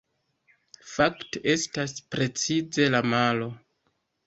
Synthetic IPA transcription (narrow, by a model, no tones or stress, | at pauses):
fakteʔe̞staspɾe̞t͡size̞lamalo̞